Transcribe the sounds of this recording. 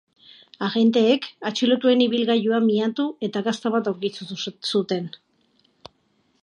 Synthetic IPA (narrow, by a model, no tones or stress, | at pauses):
aɣe̞nt̪e̞ːkat͡ʃilot̪ue̞niβilɣajuamiat̪ue̞t̪aɣast̪aβat̪awɾkit͡susut̪e̞n